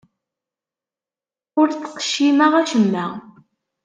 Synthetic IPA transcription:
ʊɾt͡sːə̥qʃimaʁæʃəmːæ

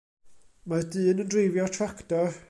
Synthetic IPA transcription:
madɨːnəndrejvjɔtʰraktɔ

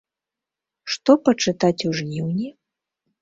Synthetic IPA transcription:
ʂt̪ɔpɐt͡ʂɨt̪at͡sʲuʐnʲiwnʲi

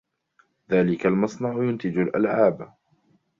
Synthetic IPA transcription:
ðaːlɪkalmɑsˤnɑʕjʊnt̪ɪd͡ʒʊlʔa̰lʕaːb

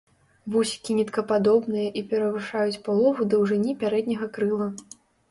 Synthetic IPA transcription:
vusʲi̥kʲinʲɛt̪kɐpad̪ɔbnɨjɐʔipʲɛɾɐvɨʂajut͡sʲpalˠɔvud̪ɐwʐɨnʲipʲaɾɛd̪nʲɐɣɐkɾɨlˠɐ

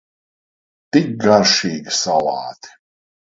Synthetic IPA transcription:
t̪ik̚ɡaɾʃiːɡisalɑːt̪i̥

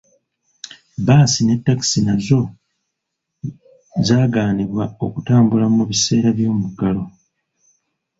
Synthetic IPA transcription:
baːsine̞tːaki̥sinazo̞ | zaːɡaːniβwao̞kutaːmbulamuβise̞ːɾaβjo̞ːmuɡalo̞

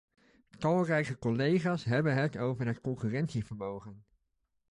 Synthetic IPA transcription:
tɑlˠrɛjkəkɔlejχaːsɦɛbənɦətowvəɹɦətkɔŋkyːrɛntsivəɹmowχən

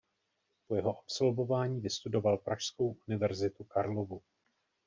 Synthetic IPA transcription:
po̞jɛɦo̞ʔapso̞lvo̞vaːɲiːvɪst̪udo̞valpɾaʃsko̞wʔunɪvɛɾzɪt̪ukaɾlovu

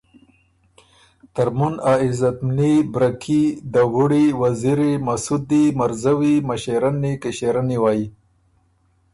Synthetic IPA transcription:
t̪aɾmunaizat̪mnibɾakʰid̪aɣuɽiwaziɾimasud̪imaɾzawimaɕeɾanikeɕeɾaniwaːji

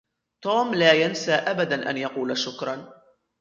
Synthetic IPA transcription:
t̪uːmlaːjansaːʔabad̪anʔa̰njɑquːlaʃʊkɾˤɑn

